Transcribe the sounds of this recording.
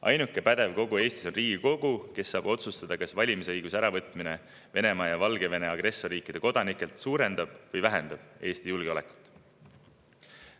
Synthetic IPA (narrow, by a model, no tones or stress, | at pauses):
ʔɑ̰jnukːˑe̞pæd̪̥e̞vko̞ɡue̞ːst̪iso̞nriːɡ̥iko̞ɡ̥uke̞sːɑːbo̞t̪sust̪ɑd̪̥ɑkɑsvɑlʲimisɤjɡusæɾɑvɤt̪ˑmine | ve̞ne̞mɑːjɑvɑlɡ̥e̞ve̞ne̞ɑɡ̥ɾe̞sːo̞riːkːˑid̪̥e̞ko̞d̪̥ɑnikːˑe̞lt̪suːɾe̞nd̪̥ɑb̥vɤjvæɦe̞nd̪̥ɑb̥e̞ːst̪ijulɡ̥eo̞le̞kˑu̥t̪ːˑ